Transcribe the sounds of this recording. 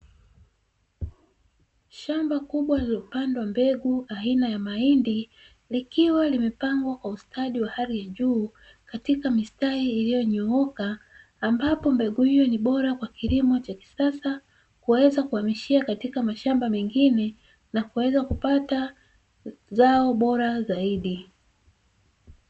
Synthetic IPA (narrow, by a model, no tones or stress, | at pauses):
ʃambakuɓwalupandawambɛɠuainajamaindi | likiwalimɛpaŋɡwakwaustʰaɗiwahaɾijaʄuː | katikamistahiːlijɔɲɔɔkaː | mbapɔmbɛɠuhijɔniɓɔɾakwakiɾimɔt͡ʃaki̥sasa | kuwɛzakuamiʃiakatikamaʃambamɛŋɡinɛ | nakuwɛzakupata | zaɔɓɔɾazaiɗi